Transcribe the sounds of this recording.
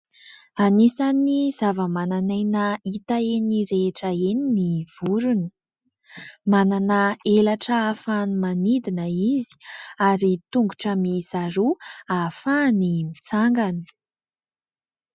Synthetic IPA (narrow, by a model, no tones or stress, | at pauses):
anisaniz̥avəmananajnəit̪aeniɾeʈ͡ʂəeniniv̥uɾuni | mananaelaʈ͡ʂəafanimanid̪inəizi̥aɾit̪uŋɡuʈ͡ʂəmizaɾuafanimit͡saŋɡani̥